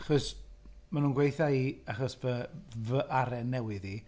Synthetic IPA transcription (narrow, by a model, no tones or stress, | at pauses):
aχɔs | manuːnɡwejθaiaχɔsvəvəʔaɾɛnɛwɨði